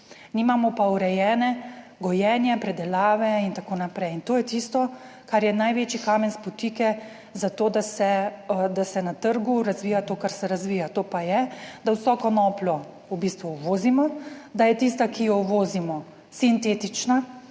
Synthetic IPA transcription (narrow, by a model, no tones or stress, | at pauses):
nimamɔpauɾɛjɛːnɛɡɔjɛːnjɛpɾɛd̪ɛlaːʋɛint̪akoːnapɾɛjint̪oːjɛt̪ist̪ɔ | kaɾjɛnajʋeːt͡ʃikaːmɛnspɔt̪iːkɛ | zat̪oːd̪asɛd̪asɛnat̪əɾɡuɾazʋiːjat̪oːkaɾsɛɾazʋiːjat̪oːpajɛd̪awsɔːkɔnɔːplɔ | ubiːst̪ʋuːʋoːzimɔd̪ajɛt̪ist̪akijɔʋoːzimɔ | sint̪eːt̪it͡ʃna